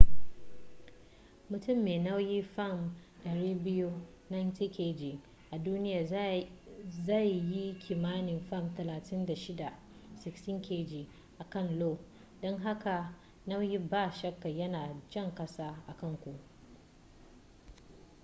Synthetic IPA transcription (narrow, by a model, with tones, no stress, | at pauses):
mʊ˨tʊ˦˨mːeː˨na˦wji˦fa˦˨m | dɐ˨ɾiː˦bɪ˦ju˦ | na˦jntiː˦kʲʰeː˦d͡ʒi˨ | ʔa˨duː˦nɪ˦jaː˨ | za˦˨jji˦kʲʰiː˨maː˦nɪ˨mɸa˦˨mtɐ˨laː˨tɪ˦nda˨ʃɪ˦da˨ | sɪ˨kstɪ˦ŋkʰʲeː˦d͡ʒiː˨ | ʔa˨kɐ˦˨nloː˦˨ | dɔ˦ŋɦa˦ka˨ | nɐ˦wji˦baː˦˨ʃɐ˦kːa˨jɐ˦naː˨d͡ʒɐ˦˨ŋkɐ˦saː˦ʔa˨kɐ˦˨ŋkʷu˨ʔ